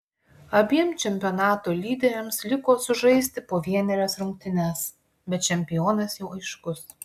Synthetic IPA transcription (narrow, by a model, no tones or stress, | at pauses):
ɐbʲiɛmt͡ʃʲɛmʲpʲɔːnɑːt̪oːlʲiːd̪ʲɛɾʲɛmslʲɪkoːsʊʒɐɪsʲt̪ʲɪpoːʋʲiɛnʲɛɾʲɛsɾʊŋʲk̚ʲt̪ʲɪnʲæs | bʲɛt̪̚t͡ʃʲɛmʲpʲɪjoːnɐsjɛʊʔɐɪʃkʊs